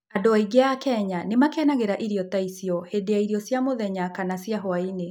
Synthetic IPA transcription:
adoaiɡeakɛɲanemakɛnaɣeɾaʔiɾiɔtaisiɔhedeaiɾiɔsjamoðɛɲakanasjaɦɔaine

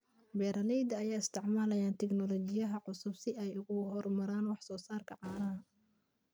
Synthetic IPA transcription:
bɛːɾɐlɛjd̪ɐːjaːɪst̪ʰɪʕmaːlɐjaːnt̪ʰɛɡnɔlɔːt͡ʃɪjɐɦɐʕʊsʊbsɪɛjʊɣʊhɔrmɐɾaːnwɑħsɔːsaːrkʰɐʕɑːɾɐɦɐ

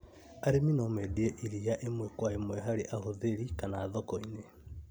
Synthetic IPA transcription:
aɾeminɔmɛdieʔiɾiaʔemwɛkwaemwɛɦaɾeʔaɦoðeɾikanaːðɔkɔine

